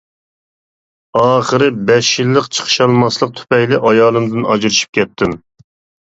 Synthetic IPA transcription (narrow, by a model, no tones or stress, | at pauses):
ɑːχəɾɨbɛʃjilːəqt͡ʃʰə̥χʃɑlˠmɑslˠəq̚t̪ʰy̥pɛjlɪʔɑjɑːlˠɨmd̪ɨnɑd͡ʒɾɨʃi̥p̚kʲɛt̪ʰːɪm